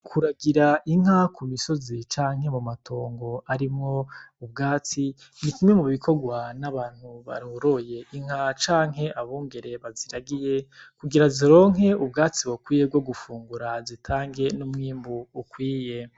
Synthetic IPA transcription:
kʰuɾaɡiɾaʔiŋ̥hakʰumiso̞zit͡ʃaːŋ̥ɦe̞mumatʰo̞ːŋɡo̞aɾimŋo̞ubɡaːt͡si | nikimŋe̞muβikʰo̞ɡwanaβaːn̥huβa̰ɾoɾoje̞ʔiŋ̥hat͡ʃaːŋɦe̞ʔaβuːŋɡe̞ɾe̞βaziɾaɡije̞kuɡiɾaziɾo̞ːŋɦe̞ub̚ɡaːt͡siwokwiːjeb̚ɡo̞ɡufuːŋɡuɾazitʰaːŋɡe̞numŋiːmbuːkwiːje

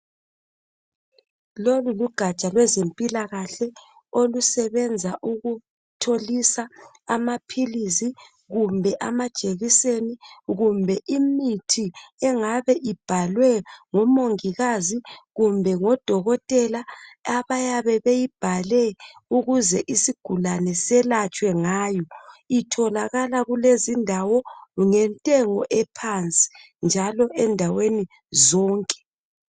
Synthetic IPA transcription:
loluluɡ̥ʱat͡ʃʼalwɛzempʼilaɣaɬɛ | olusɛβɛnd͡zʱaʔuɣu | tʰolisa | amapʰilisi | ɣumbʱɛʔamad̥ʒ̥ʱeɣiseniɣumbʱɛʔimitʰiɛŋaβɛʔib̥ʱalwɛŋɔmoŋiɣaziɣumbʱɛŋɔd̥ʱɔɣɔtʼɛlaaβajaβɛβejib̥ʱalɛuɣuzɛʔisiɡ̥ʱulanɛsɛlat͡ʃʼwɛŋaːjɔitʰɔlaɣalaɣulezindʱawɔŋɛntʼɛŋɔʔɛpʰant͡sʼi̥ | nd͡ʒʱalɔʔɛndʱaweni | zɔːŋkʼɛ̥

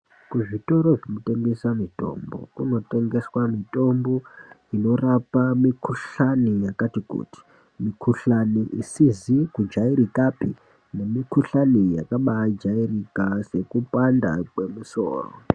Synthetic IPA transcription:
kuʐito̞ɾo̞ʐemote̞ŋɡesamito̞̰mbo̞̰kuno̞te̞ŋɡe̞swamito̞mbo̞ino̞rapamikuɬanijakatikṵti̥ | mikʰuɬaniʔisizikud͡ʒaiɾikapḭ | ne̞mikuɬanijakaɓad͡ʒairikase̞kupanda̰kwe̞muso̞̰ːro̰

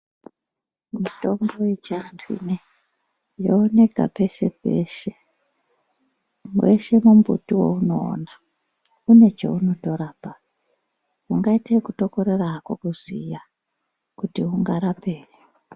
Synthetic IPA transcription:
mito̞mɡo̞jet͡ʃiantʰuḭne | joone̞ka̰pe̞ʃe̞̰pḛʃe | weʃe̞mumbṵtiwo̞̰uno̞̰ːna | une̞t͡ʃḛuno̞to̞ɾaːpa | uŋɡaitekuto̞ko̞ɾeraːkokuzḭja | kutiuŋɡaɾape̞ːre

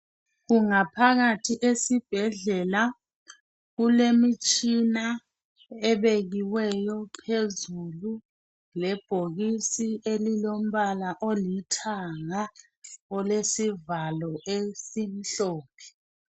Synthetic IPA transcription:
ɣuŋapʰaɣatʰiʔesib̥ʱɛɮɛla | ɣulemit͡ʃʼina | ɛβeɣiwɛjɔpʰezulu | lɛb̥ʱoɣisiʔelilom̩βalaʔolitʰaŋa | ɔlesivalɔʔesin̩ɬɔːpʰɛ̥

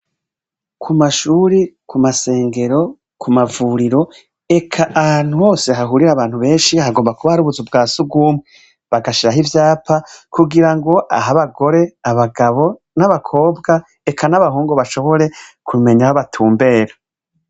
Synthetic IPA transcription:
kʰumaʃuːɾikumase̞ːŋɡe̞ɾo̞ | kʰumavuɾiɾo̞ | e̞kʰaʔahaːn̥huho̞ːseɦaɦuɾiɾaβaːn̥huβe̞ːnʃihaɡo̞ːmbakuβaaɾuβuzub̚ɡaːsubɡuːmŋe | βaɡaʃiɾaɦivjaːpʰakuɡiɾaŋɡo̞ʔa̰ɦaβaɡo̞ɾe̞aβaɡaβo̞ | naβakʰo̞ːbɡa | ekʰanaβaɦuːŋɡoβaʃoβo̞ɾe̞kʰume̞ɲahaβatʰuːmbe̞ːɾa

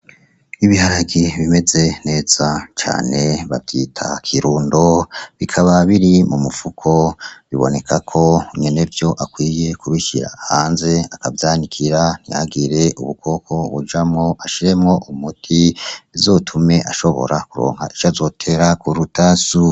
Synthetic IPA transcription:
iβihaɾaɡiβime̞ze̞ne̞ːz̥at͡ʃa̰ːne̞βa̰vjitʰakʰiɾuːndo̞βikʰaβaβiɾimumufukʰo̞βiβo̞̰ne̞kʰakʰo̞ɲene̞vjo̞ʔakwiːje̞kuɾuçiɾa̰haːnze̞akavjaːnikʰiɾan̥ija̰ɡiɾe̞ʔuβukʰo̞ːkʰo̞βṵd͡ʒamŋo̞ʔaʃiɾe̞mŋo̞ʔumutʰizotʰume̞ʔaʃo̞βo̰ɾakuɾo̞̰ːŋha̰ʔiʃazo̞tʰe̞ɾakuɾutasu

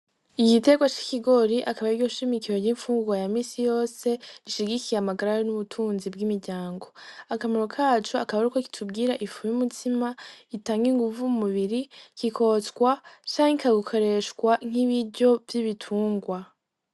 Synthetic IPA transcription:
iɟite̞ɡwat͡ʃi̥kiɡo̞ɾiʔakaβaiɡɟoʃimikiɾo̞ɟiɱfuːŋɡuɡwajamiːsijo̞ːse̞ɾiʃiɡikijeamaɡaɾaɾenuβutʰuːnzib̚ɡimiɾɟaːŋɡo̞akamoɾokʰaːt͡ʃoakaβaɾikoki̥tʰub̚ɡiːɾaʔifujumutʰimaitaːŋɡiŋɡuvumuβiɾikikʰo̞tkwat͡ʃaːŋikaɡukʰo̞ɾe̞ʃkwaŋ̥iβiɾɟo̞vjiβitʰuːŋɡwa

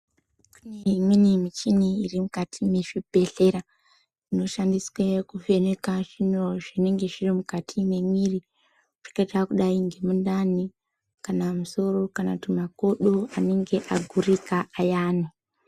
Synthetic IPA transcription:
kuneimwinimit͡ʃiniirimukatʰime̞ʐibʱe̞ɬe̞ɾa | ino̞ʃandiswekufe̞nekaʐino̞ʐine̞ŋɡe̞ʐirimukatʰime̞mwiri | ʐ̥i̥kat͡ʃakuɗaiŋɡe̞mundani | kanamuso̞ɾo̞kanatimako̞ɗoane̞ŋɡe̞ʔaɡʱurikaajaːne

